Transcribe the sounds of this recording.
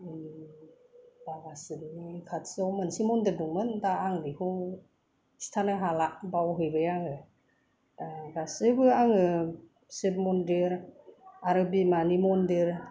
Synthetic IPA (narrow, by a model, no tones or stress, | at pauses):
daɡasɯnikʰatsawmɯnsimɔndeduŋmɯndaːŋdihu | stʰanɯɦalaʔbawɦɯjbɯjaŋɯ | aɡasɯbɯaŋɯ | seb̚mɔndeɾaɾɯbimanimɔndeɾ